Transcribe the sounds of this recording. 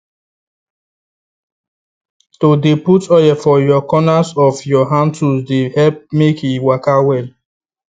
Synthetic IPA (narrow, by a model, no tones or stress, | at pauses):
todeputɔjɛfɔjɔkɔnasɔfjɔɦãntusdehɛlp̚mekiwakawɛl